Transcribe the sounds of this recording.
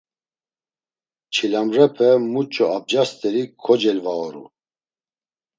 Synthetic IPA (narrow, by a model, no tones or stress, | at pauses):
t͡ʃʰilamrɛpʰɛmut͡ʃʼɔab̚d͡ʒast̪ɛlikʰɔd͡ʒɛlvaɔɾṵ